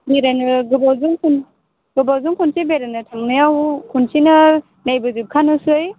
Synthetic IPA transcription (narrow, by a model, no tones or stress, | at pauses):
beɾanɯɡɯbawzuŋkʰun | ɡ̥ɯbawzuŋkʰunsibeɾanɯtʰamnɯjawkʰunsinɯ | najbɯzip̚kʰanɯsɯj